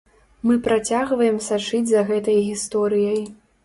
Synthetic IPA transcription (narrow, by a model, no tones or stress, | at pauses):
mɨpɾat͡sʲaɣvɐjɛmsat͡ʂɨd͡zʲzɐɣɛt̪ɐjɣʲist̪ɔɾɨjɐj